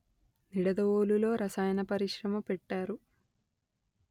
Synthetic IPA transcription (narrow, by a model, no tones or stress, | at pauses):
niɽɐd̪ɐoːlulo̞ːɾɐsaːjɐnɐpɐɾiʂɾɐmɐmpeʈːaːɾu